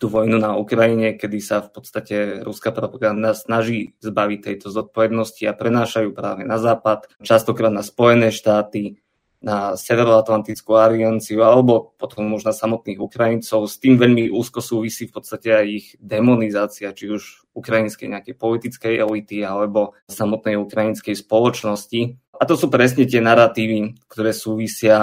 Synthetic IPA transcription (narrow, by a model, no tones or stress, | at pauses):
t̪uʋɔjnunaukɾaiɲɛkɛd̪isafpɔt̪st̪acɛɾuskapɾɔpaɡand̪asnaʒiːzbaʋic̚t̪ɛjt̪ɔzɔt̪̚pɔʋɛd̪nɔsciapɾɛnaːʃajuːpɾa̰ːʋɛnazaːpat̪t͡ʃast̪ɔkɾaːd̪naspɔjɛnɛːʃt̪aːt̪i | nasɛʋɛɾɔat̪lant̪it͡skualiant͡siualɛbɔpɔt̪ɔmuʒnasamɔt̪niːɣukɾajint͡sɔʊst̪iːmʋɛʎmiʔṵːskɔsuːʋisiːfpɔt̪t͡sst̪acɛajiɣd̪ɛmɔnizaːt͡siat͡ʃiuʒ | ukɾajinskɛ̰jɲɛakɛjpɔlit̪it͡skɛjʔɛlit̪ialɛbɔsamɔt̪nɛjukɾajinskɛjspɔlɔt͡ʃnɔsci | at̪ɔsuːpɾɛs̬ɲɛc̪ɪɛnaɾat̪iːʋikt̪ɔɾɛːsuːʋisɪa